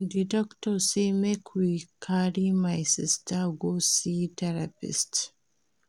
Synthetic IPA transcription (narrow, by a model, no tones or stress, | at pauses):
didɔktɔsimekʰwikʰaɾimajsistaɡositɛɾapḭst